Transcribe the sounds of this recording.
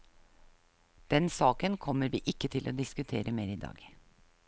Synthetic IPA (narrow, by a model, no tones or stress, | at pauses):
d̪̥ɛnsɑːkənkʰɔmːəɾʋḭːʔɪkːət̪ʰɪlʔo̰ːd̪ɪskʉt̪ʰeːɾʔəmeːɾɪːd̪ɑ̰ːɡ̥